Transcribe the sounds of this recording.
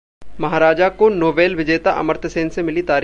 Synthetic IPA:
mɐɦaːɾaːd͡ʒakonoːʋeːlʋɪd͡ʒeːt̪aʔɐ̰məɾt̪ʰəseːnsemɪlit̪aːɾ

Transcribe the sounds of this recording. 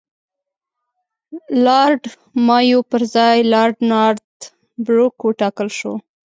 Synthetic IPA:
lɑɾɖ | mɑjopəɾzɑjlɑɾɖnɑɾd̪ | bɾukwəʈɑkəlʃo̰

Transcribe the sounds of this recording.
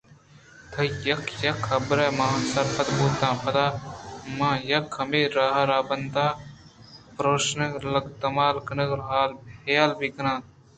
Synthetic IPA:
t̪ʰɐjɐkʰjɐkʰɐbɾɛːmãːsɐɾfɐt̪boːt̪ãːpɐd̪aːmãːjɐkʰːɐmeːɾaːɦaɾaːbɐnd̪aː | pɾoːʃnɐklɐɡt̪ɐmaːlkɐnəklɦaːlbʱeːlbikɐnãː

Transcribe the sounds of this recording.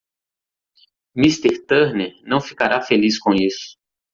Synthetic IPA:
mist̪eɾt̪ɛɾnenɐ̃w̃fikaɾafeliskõisʊ̥

